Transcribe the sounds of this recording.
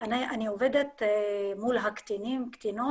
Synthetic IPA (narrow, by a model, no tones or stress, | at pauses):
aniʔanioved̪et̪mulɦakt̪inimkt̪ino